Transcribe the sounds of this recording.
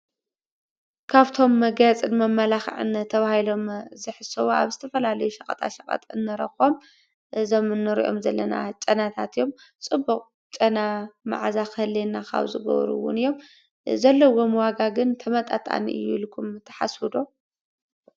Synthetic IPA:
kʰaβt̪ʰo̞mːɐɡajt͡sʼɨnmɐmːɐlaxʕɨ̰nt̪ʰːɐβahilo̞mzɨħɨsɐwoʔa̰βzɨt̪ʰɐfɐlalɐjuʃɐqʼɐt̪ʰʼa̰ʃɐkʼɐ̰t̪ʼɨnːɨɾɐxo̞m | ʔɨzo̞mɨnːɨɾḭʔo̞̰mzɐlːɐna̰t͡ʃʼɐnat̪ʰat̪ɨjo̞m | t͡sʼɨbuqʼ | t͡ʃʼɐnama̰ʕzaxɨhɨlːenːakʰa̰βzɨ̰ɡɐ̰β̰ɾṵwʊ̰nɨjːo̞m | zɐlːowo̞mwaɡaɡɨnt̪ʰɐmɐt̪ʼat̪ʼa̰nḭʔɨ̰julkʰumt̪ʰːɐ̥ħa̰swɨd̪o̞

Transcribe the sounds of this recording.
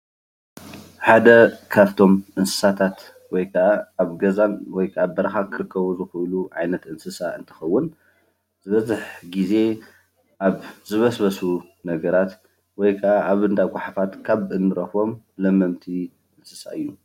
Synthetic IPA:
ħad̪ɐkʰaft̪ʰo̞mʔɨnsɨ̥sat̪ʰat̪ | wɔjkʰɐʔaːβɡɐzanwɔjkʰaβbɐɾɐxakʰɨɾɨkʰːɐβuzɨxuluʕajnɐt̪ʔɨnsɨsaʔɨ̰nt̪ʰɐ̥xɐwːʊn | zɨβɐzɨħɡize̞ | ʔaβzɨβɐsbɐsu | nɐɡɐɾat̪ | wɔjkʰɐʔaʔaβɨnd̪aɡʷaħafat̪kʰaβʔɨnːɨɾɐxβo̞m | lɐmːɐmt̪ʰi | ʔɨnsɨsa̰ʔɨjːu

